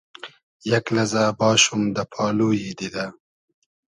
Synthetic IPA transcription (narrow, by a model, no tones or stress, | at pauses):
jaklazabɑːʃumd̪apʰɑːlujid̪id̪a